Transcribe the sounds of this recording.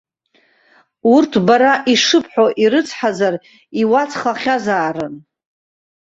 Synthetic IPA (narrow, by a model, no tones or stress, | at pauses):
urtʰbaɾaʔiʂɨpʰħʷᶣoʔiɾɨt͡sʰħazar | iwat͡sʰχaχʲazaːɾɨn